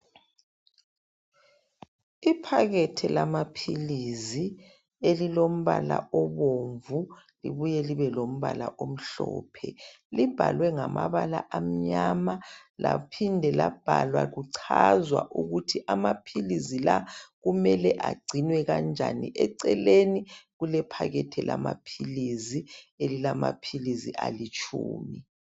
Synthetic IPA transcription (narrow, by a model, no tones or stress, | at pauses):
ipʰaɣɛtʰɛlamapʰilizi | elilom̩βalaoβoɱvu | lḭβujɛliβɛlom̩βalaʔom̩ɬɔːpʰɛ | lib̥ʱalwɛŋamaβala̰ʔam̩ɲamalapʰindʱɛlab̥ʱalwaɣuǀʰazwaʔuɣutʰiʔamapʰilizilaɣumɛlɛʔaɡ͡ǀʱinwɛɣand͡ʒʱanḭʔɛǀɛleniɣulɛpʰaɣɛtʰɛlamapʰilizielilama̰pʰiliziʔalit͡ʃʰʼuːmi